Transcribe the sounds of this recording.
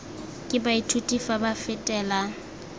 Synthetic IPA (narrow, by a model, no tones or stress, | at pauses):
kʼɪbaitʰutʼifabafɪtʼɛːla